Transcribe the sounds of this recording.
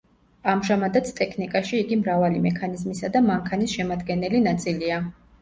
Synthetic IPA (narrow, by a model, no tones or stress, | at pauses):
amʒamad̪at̪sʰt̪ʼɛkʰnikʼaʃiːɡimɾavalimɛkʰanizmisad̪amaŋkʰanisʃɛmad̪ɡɛnɛlinat̪sʼilia